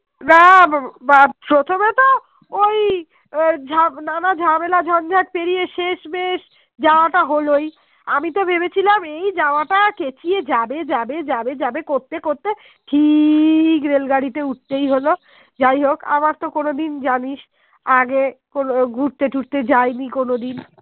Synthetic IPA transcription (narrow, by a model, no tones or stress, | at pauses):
nabapɾot̪ʰomet̪o | oj | d͡ʑʱananad͡ʑʱamelad͡ʑʱɔnd͡ʑʱak̚peɾijeʃeʃbeʃ | d͡ʑaoaʈaɦoloj | amit̪obʱebet͡ɕʰilamejd͡ʑaoaʈaket͡ɕʰied͡ʑabed͡ʑabed͡ʑabed͡ʑabekoɾt̪ekoɾt̪e | ʈʰi | kɾelɡaɽit̪euʈ̚t̪ejɦolo | d͡ʑajɦoka̰maɾt̪okonod̪ind͡ʑaniʃ | aɡekonoɡʱuɾt̪eʈuʈt̪et͡ɕajnikonod̪in